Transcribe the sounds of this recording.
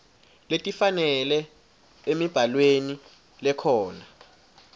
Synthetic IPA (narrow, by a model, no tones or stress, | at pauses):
letʼifanɛlɛ | emib̥ʱalweni | lɛkʰɔːna